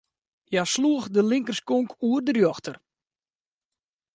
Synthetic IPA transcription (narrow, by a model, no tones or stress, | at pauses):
jasluəxdəlɪŋkərskoŋkʰuərdərjɔxtər